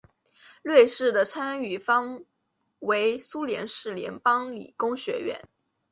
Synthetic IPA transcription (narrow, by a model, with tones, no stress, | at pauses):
lwe˥˧ɪʂɻ̩˥˩d̪ə˩t͡sʰa˥ny˨˩fɑ˥ŋ | we˧˥ɪsu˥ljɛ̰˧˥nʂɻ̩˥˩ljɛ̰˧˥npɑ˥ŋlḭ˨˩kʊ˥ŋɕɥɛ̰˧˥ɥɛ̰˧˥n